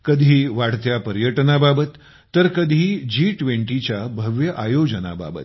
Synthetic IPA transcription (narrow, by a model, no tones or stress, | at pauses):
kəd̪ʱiːʋaɽt̪japəɾjəʈnababət̪ː | əɾkəd̪ʱiːd͡ʑiːʈʋeɳʈit͡ɕjabʱəʋjəʔajod͡ʑəna̰ba̰bə̰t̪